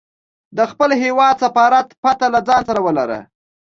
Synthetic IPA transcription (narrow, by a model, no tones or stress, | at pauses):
d̪əxpəlɦewɑd̪safɑɾat̪pat̪alad͡zɑnsaɾawəlaɾə̰